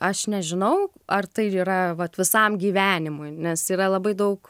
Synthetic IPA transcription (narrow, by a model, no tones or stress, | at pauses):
ɐʃnʲɛʒʲɪnɐʊɐrt̪ɐɪiːɾɐʋɐt̪ʋʲɪsɐmɡʲiːʋʲæːnʲɪmʊɪnʲɛsiːɾɐlˠɐbɐɪd̪ɐʊk